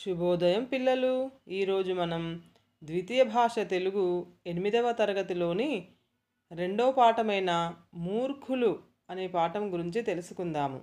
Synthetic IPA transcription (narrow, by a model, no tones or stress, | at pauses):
ʃubɔːd̪ɐjɐmpilːɐluiːɾo̞ːd͡ʒumɐnɐm | d̪ʋit̪ijɐbʱaːʂɐt̪e̞luɡue̞nimid̪ɐʋɐt̪ɐɾɐɡɐt̪ilo̞ːni | ɾe̞ɳɖoːpaːʈɐmɐjnɐmuːɾkʰulu | ɐneːpaːʈɐmɡuɾiɲt͡ʃit̪e̞lusukund̪aːmṵ